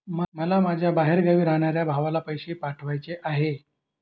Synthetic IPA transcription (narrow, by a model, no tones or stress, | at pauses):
mməlamad͡ʑʱjabaɦeɾɡəʋiːɾaɦɳ̃aɾjabʱaʋalapəjɕepaʈʰʋajt͡seʔaɦe